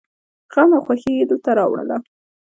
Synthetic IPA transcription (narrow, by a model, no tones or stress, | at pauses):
ɣamaxwaxed̪ot̪aɾɑwɽə̰la